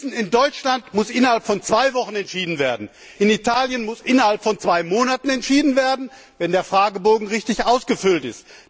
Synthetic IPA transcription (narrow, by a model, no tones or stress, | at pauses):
sn̩ɪndɔʏt͡ʃlantmʊsʔɪnɐhalpfɔnt͡sv̥aɪvɔχn̩ɛntʃiːdn̩veːɐdn̩ | ʔɪnitʰaːljənmʊsʔɪnɐhalpfɔnt͡sv̥aɪmoːnatn̩ɛntʃiːdn̩veːɐdn̩ | vɛndeːɐfʁ̥aːɡəboːɡŋ̩ʁɪçtɪçʔaʊsɡ̥əfʏltɪ̰st